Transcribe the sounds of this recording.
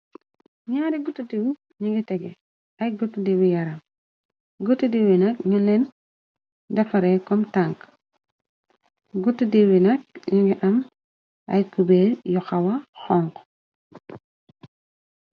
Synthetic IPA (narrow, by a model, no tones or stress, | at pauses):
ɲaːɾiɡutːudewi | ɲiŋɡitɛɡɛ | ɐjɡutːudewijɐɾɐm | ɡutːudewinɐk̚ɲunlɛn | dɐfɐɾɛkɔmtaŋk | ɡutːudewinɐk̚ɲiŋɡiʔɐm | ɐ̰jkubɛjɔxɐwɐxɔŋk